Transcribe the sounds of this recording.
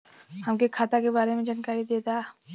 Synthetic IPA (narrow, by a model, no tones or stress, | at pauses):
hɐmkekʰaːt̪akebaːɾemẽd͡ʒaːnkaːɾid̪eːt̪a